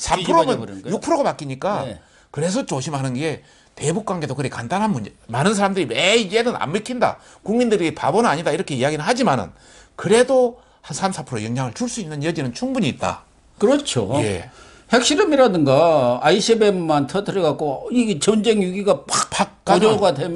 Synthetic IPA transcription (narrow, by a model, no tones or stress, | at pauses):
sʰapʰɯɾomɯnjuk̚pʰɯɾoɡapak͈iɲik͈a | kɯɾe̞s̬ʰʌt͡ɕoɕʰimɦanɯnɡe̞ | te̞buk̚k͈waŋɡe̞dokɯɾekandanɦanmumanɯns̬ʰaɾamdɯɾimed͡ʑenɯna̰mmɯkʰinda̰ | kuŋmindɯɾipa̰bonɯnaɲidaiɾʌkʰe̞iaɡinɯɭhad͡ʑimanɯ̰n | kɯɾe̞do | hansʰamsʰapʰɯɾojʌŋɲaŋɯɭt͡ɕuɭs͈uinːɯnjʌd͡ʑinɯnt͡ɕʰuŋbuɲiːt̚t͈a̰ | kɯɾʌt͡ɕʰo̰je̞ | hekɕ͈iɾʌmiɾadɯnɡaaiɕʰibemmantʰʌtʰɯɾiɡak͈oit͡ɕʌnd͡ʑeŋjuɡiɡapakpak̚k͈aɡɾoɡadem